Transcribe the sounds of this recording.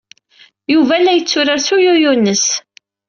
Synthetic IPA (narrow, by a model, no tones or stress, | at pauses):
juvælːæjət͡sːʊɾaɾsujʊjʊnːəs